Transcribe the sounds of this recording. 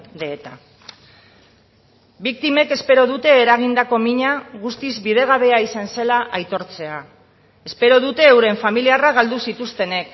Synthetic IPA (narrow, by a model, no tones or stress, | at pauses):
d̪eːt̪a | bik̚t̪ime̞ke̞spe̞ɾo̞ðut̪e̞ːɾaɣ̞ind̪ako̞miɲaɣust̪izbið̞e̞ɣ̞aβe̞aisanse̞laʔajt̪o̞ɾt͡se̞a | e̞spe̞ɾo̞ð̞ut̪e̞ːwɾe̞ɱfamiliaraɣald̪usit̪ust̪e̞ne̞k